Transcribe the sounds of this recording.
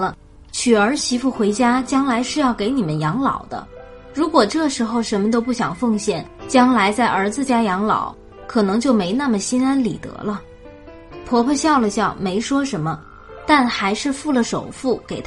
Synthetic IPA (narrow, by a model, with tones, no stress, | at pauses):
lə˧ | t͡ɕʰy˨˩ə˞˧˥ɕi˧˥fu˥˩xwe˧˥ɪt͡ɕja˥t͡ɕjɑ˥ŋla˧˥ɪʂɻ̩˥˧jɑ˥˩ʊke˧˥ɪni˨˩mə˦njɑ˧˥ŋlɑ̰˨˩ʊd̪ə̰˦ | ɻu˧˥kwɔ˨˩ʈ͡ʂɤ˥˩ʂɻ̩˧˥xo˧ʊʂə˧˥nmə˧t̪̬o˥ʊp̬u˥˩ɕjɑ˨˩ŋfɤ˥˧ŋɕjɛ˥˩nt͡ɕjɑ˥ŋla˧˥ɪt͡sa˥˩ɪʔə˞˧˥d͡zɹ̩˧t͡ɕja˥jɑ˧˥ŋlɑ̰˨˩˦ʊ | kʰɤ˨˩nɤ˧˥ŋt͡ɕjo˥˩ʊme˧˥ɪna˥˩mə˩ɕi˥na˥nli˨˩t̪ɤ̰˧˥lə˧ | pʰwɔ˧˥pʰə˧ɕjɑ˥˩ʊlə˩ɕjɑ˥˩ʊme˧˥ɪʂwɔ˥ʂə˧˥nmə˧ | t̪a˥˩nxa˧˥ɪʂɻ̩˥˧fu˥˩lə˩ʂo˨˩ʊfu˥˩ke˨˩ɪt̪ʰ